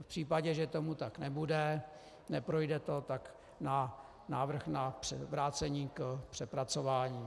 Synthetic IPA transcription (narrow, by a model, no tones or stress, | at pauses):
fpr̝̥iːpaɟɛʒɛt̪omut̪aknɛbudɛ | nɛpɾojdɛt̪o̞t̪ak | na | naːvr̩xnapr̥ɛvɾaːt͡sɛɲiːkpr̥ɛpɾat͡so̞vaːɲiː